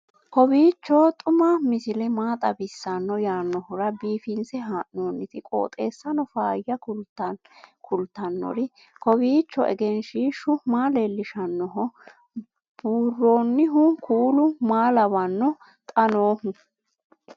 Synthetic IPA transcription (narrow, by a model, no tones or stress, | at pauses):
kɔbiːt͡ʃːɔt̪ʼʊmɐmɪsɪlɛmaːt̪ʼɐbɪsːɐnːɔjaːnːɔhɔɾɐbiːfɪnt͡sɛɦaːʔnoːnːɪt̪ɪkʼo̰ːt̪ʼe̞ːsːɐnɔfaːjːɐʊt̪ | kʰʊlt̪ːɐnːɔ̰ɾɪ | kɔbiːt͡ʃːɔɛ̰ɡɛnʃiːʃʊmaːlelːɪʃɐnːɔɦɔ | b̥uːrːo̞ːnːɪɦʊkʰuːlʊmaːlɐβɐnːɔ | t̪ʼɐno̞ːhʊ